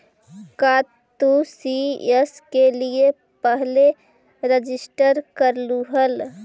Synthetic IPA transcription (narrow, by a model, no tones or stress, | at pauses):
kaːt̪usieskelie | pəɦle | ɾəd͡ʒɪsʈəɾkəɾluɦəl